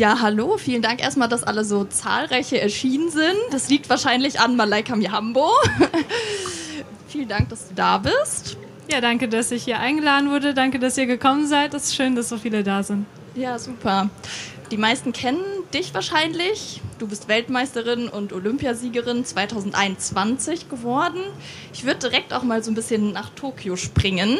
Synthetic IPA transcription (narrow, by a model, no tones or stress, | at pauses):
jaːɦaloːfiːləndaŋkʔḛːɐstmaːldasʔa̰ləzoːt͡sa̰ːlʁaɪçəʔɛɐʃiːnənzɪntd̥asliːk̚tv̥aːɐʃaɪnlɪçanmalaɪkʰamiɦambo | fiːləndaŋk̚d̥asd̥uːdaːbɪst | jaːdaŋkədasɪçhiːɐʔaɪnɡəlaːdn̩vʊɐdədaŋkədasiːɐɡəkʰɔmənzaɪtɛsʃøːndasz̥oːfiːlədaːzɪnt | jaːzuːpʰɐ | d̥iːmaɪstn̩kʰɛnənd̥ɪçv̥aːɐʃaɪnlɪçd̥uːbɪstv̥ɛltmaɪstəʁɪnʊntʔolʏmpjaziːɡəʁɪnt͡sv̥aɪtʰaʊzn̩tʔa̰ɪnʊnt͡sv̥ant͡sɪçɡ̥əvɔɐdn̩ | ʔɪçv̥ʏɐdədiʁɛk̚ta̰ʊxmaːlzoːnbɪsçənːaːχtʰoːkʰjoʃpʁ̥ɪŋən